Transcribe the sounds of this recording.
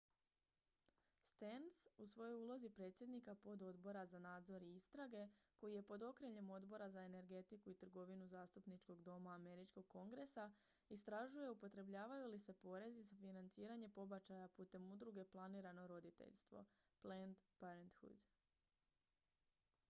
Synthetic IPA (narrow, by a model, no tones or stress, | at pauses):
st̪ensusʋo̞jojuːlˠo̞zipɾe̞t̪sʲje̞d̪nikapo̞d̪o̞d̪bo̞ɾazanaːd̪zo̞ɾiist̪ɾaɡe̞ko̞jije̞po̞d̪o̞kɾeʎe̞mo̞d̪bo̞ɾazae̞ne̞ɾɡe̞t̪ikuit̪r̩ɡo̞ʋinuzaːst̪upnit͡ʃko̞ɡd̪o̞maːme̞ɾit͡ʃko̞ɡ̚ko̞ŋɡɾe̞sa | ist̪ɾaʒuje̞upo̞t̪ɾe̞bʎaːʋajulise̞po̞ɾe̞zizafinant̪siːɾaɲe̞po̞bat͡ʃajapuːt̪e̞mud̪ɾuɡe̞plˠaniːɾano̞ɾo̞d̪it̪ḛʎst̪ʋo̞̰ | plend̪paɾent̪xṵd̪